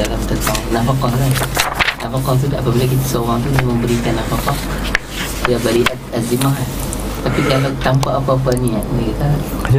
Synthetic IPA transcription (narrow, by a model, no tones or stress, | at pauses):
alamt̪ət̪ɔŋnafakɔŋlanafakɔŋt̪̬udapabilak̬it̪asowaŋt̪unaməmbəɾikanːafakɔʔ | jabadiʔat̪azimaɦa | t̪apikalawt̪ampaʔapapaɲiaʔdikik̪a